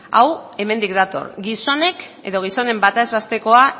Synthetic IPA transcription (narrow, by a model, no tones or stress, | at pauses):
a̰we̞me̞nd̪ikd̪at̪o̞̰rɡiso̞ne̞ke̞̰ðo̞ɣ̞iso̞ne̞mbat̪aezβast̪e̞ko̞a